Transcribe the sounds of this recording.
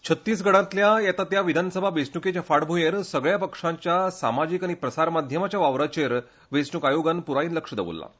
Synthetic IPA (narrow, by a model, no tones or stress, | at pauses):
t͡ɕʰət̪ːiːs̬ɡʱəɽãnt̪ljajɛt̪at̪jaʋid̪ʱanəsəbʱaʋesnuket͡ɕjafaɽbʱujeɾsəɡɭjapəkʂaɲt͡ɕjasa̰mad͡ʑiːkaɽ̃ipɾəsaɾmad̪ʱjəmat͡ɕjaʋaʋɾat͡ɕeɾ | ʋesnukajoɡanpuɾaiːnləkʂəd̪ḛʋṵlːa̰